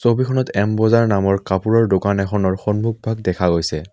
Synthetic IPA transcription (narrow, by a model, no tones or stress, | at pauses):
sobikʰɔnɔtɛmbɔzaɹnamɔɹkapuɹɔɹdokanɛkʰɔnɔɹxɔnmuk̚bʱaɡ̚dɛkʰaɡojsɛ